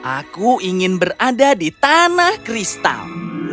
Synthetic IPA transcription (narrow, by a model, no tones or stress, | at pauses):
ʔakuiŋɪnbərʔadadit̪anahkɾist̪a̰l